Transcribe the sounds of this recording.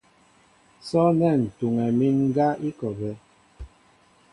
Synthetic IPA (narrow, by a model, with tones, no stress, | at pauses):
sɔ˦nɛ˦˨n̩˨tu˨ŋɛ˨mi˦nŋ˦ɡa˦i˦kɔ˨bɛ˦